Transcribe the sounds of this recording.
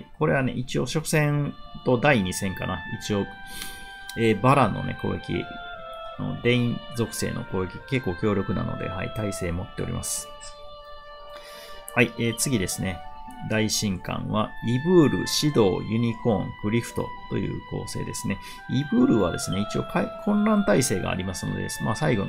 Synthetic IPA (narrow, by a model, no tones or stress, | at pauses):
iko̞ɾe̞βane̞ʔit͡ɕio̞ɕo̞kɯ̟̥sẽ̞nt̪o̞d̪aiɲ̟isẽ̞ŋkanait͡ɕio̞ | eːbaɾãnːo̞̰ne̞̰ko̞̰ːekʲḭ | ano̰d̪ẽ̞ĩzo̞kɯ̟̥se̞̰ːno̞̰ko̞ːekʲiake̞kːo̞ːkʲo̞ːɾʲo̞kɯ̟na̰no̞d̪e̞̰ha̰ḭt̪aise̞ːmo̞t̪ːe̞oɾʲḭmʔa̰sɨ̥ | haieːt͡sɨɡʲid̪e̞sɨne̞d̪aiɕĩŋkã̰ɰ̃βaibɯ̟ːɾɯ̟̰ɕid̪o̞ːjɯ̟ɲ̟ikõ̞ŋkɯ̟ɾʲiɸɯ̟̥t̪o̞̰t̪o̞̰jɯ̟ːko̞̰ːse̞̰ːd̪e̞sɨne̞ | ibɯ̟ːɾɯ̟βad̪e̞sɨne̞it͡ɕio̞kʰakʰõ̞nɾãnt̪aise̞ːɡa̰ːɾʲimasɨno̞̰d̪eesɨmaːsaiɡo̞